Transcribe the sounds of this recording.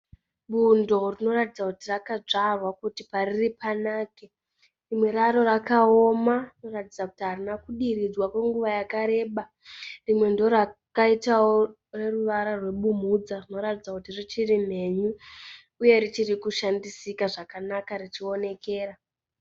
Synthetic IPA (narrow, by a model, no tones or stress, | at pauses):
ɓundo̞rino̞ratid͡zakutirakad͡ʐarwakutipaɾiripanaːke̞ | rimwe̞ɾaɾo̞ɾakao̞marino̞ratid͡zakutiɦarinakuɗiɾid͡zwakwe̞ŋɡuʋajakaɾe̞ɓa | rimwe̞ndo̞rakaitawo | re̞ruʋaɾarwe̞ɓum̤ud͡zarino̞ɾatid͡zakutirit͡ʃirim̤e̞ɲuː | je̞ɾit͡ʃiɾikuʃandisikaʐakanakarit͡ʃio̞ne̞ke̞ːɾa